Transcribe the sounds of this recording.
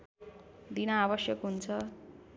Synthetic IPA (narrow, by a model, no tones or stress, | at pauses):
d̪inaːβʌsjʌkɦunt͡sʰʌ